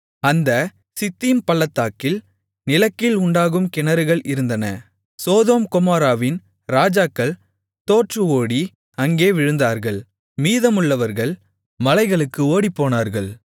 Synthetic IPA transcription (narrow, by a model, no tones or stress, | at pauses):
ɐnd̪ɐ | sɪt̪ːimpɐɭːɐt̪ːaːkːɪl | nɪlɐkːɪlʊɳɖaːɣɯmkɪnɐɾɯɣɐɭɪɾɯnd̪ɐnɐ̰ | soːðoːmkʊmaːɾaːʋɪn | ɾaːd͡ʒaːkːɐɭ | t̪oːʈrɯoːɽi | ɐŋɡeːʋɪɻɯnd̪aːɾɣɐɭ | miːðɐmɯɭːɐʋɐɾɣɐɭ | mɐlɐɪɣɐɭɯkːɯoːɽipːoːnaːɾɣɐɭ